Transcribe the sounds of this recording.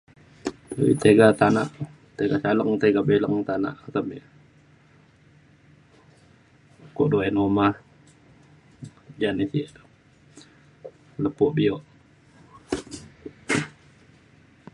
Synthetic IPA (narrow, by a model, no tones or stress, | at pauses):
duḭt̪eɡat̪anaʔ | t̪eɡasaləŋt̪eɡabeləŋt̪ana̰ʔat̪əmiʔ | koʔdoɛnomah | d͡ʒanisiʔt̪ | ləpɔʔbioʔ